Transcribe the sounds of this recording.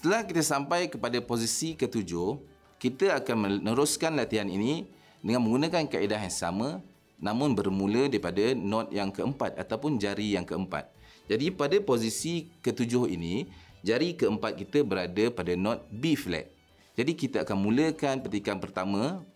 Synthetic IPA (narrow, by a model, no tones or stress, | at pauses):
sə̥t̪əlahkit̪əsampajkəpadaposisikət̪ud͡ʒʊh | kit̪əakanmənəɾʊskanlat̪iɦanini | dəŋanmə̃ŋɡunakankaidaɦjaŋsa̰mə̃ | nãmʊ̃nbərmũlədaɾipadənɔ̃t̪̚jaŋkəəmpat̪̚a̰t̪awpʊnd͡ʒaɾijaŋkəəmpa̰t̪̚ | d͡ʒadipadaposisikət̪ud͡ʒʊhḭnid͡ʒaɾikəəmpat̪̚kit̪əbəɾadəpadanɔ̃t̪̚biflɛ̰t̪̚ | d͡ʒadikit̪aakanmũləkanpət̪ikanpərt̪amə̃